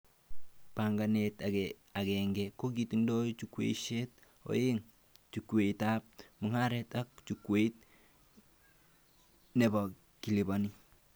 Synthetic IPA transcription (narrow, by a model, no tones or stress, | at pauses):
paŋɡanet | aɡɛŋɡɛkoɡ̬itindot͡ʃukwḛʃet̚ | o̰jeŋ | t͡ʃukweitap̚muŋaɾɛtak̚t͡ʃukweit̚ | nɛba | kilibani